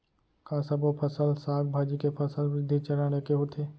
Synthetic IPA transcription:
kasəbopʰɐsəlsaːkbʱaːd͡ʒikepʰɐsəlʋɪd̪ʱːit͡ʃɐɾaːnekeɦot̪ʰeː

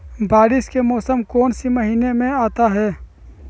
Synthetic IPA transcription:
baːɾɪʃkemɔːsəmkɔːnsimɐɦiːnemẽaːt̪aɦɛː

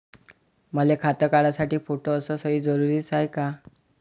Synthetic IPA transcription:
məlekʰat̪əkaɭasaʈiːfoʈoəsɔsəɦiːd͡zəɾuɾiːt͡sajka

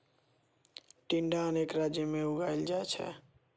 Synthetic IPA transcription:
ʈiɳɖaənekɾad͡ʒjəmeuɡʱajld͡ʒaet͡ʃʰɛ̰

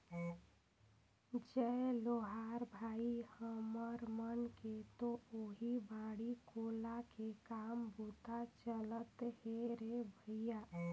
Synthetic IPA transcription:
d͡ʒɛloɦaɾbʱaihəməɾmənket̪ooɦibaɽikolakekambut̪at͡ʃələt̪heɾebʱəja

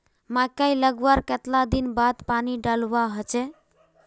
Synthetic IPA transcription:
makajləɡwaɾket̪lad̪inbad̪paniɖalwaɦot͡ʃɛ

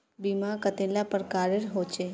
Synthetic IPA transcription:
bimakət̪elapəɾkaːɾəɾɦoːt͡ʃeː

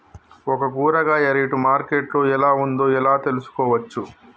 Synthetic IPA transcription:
ɔkɐkuːɾɐɡaːɐɾiʈumaːɾke̞ʈlo̞ːɛlaːund̪o̞ːɛlaːt̪e̞lusu̥kɔːʋɐt͡ʃːu

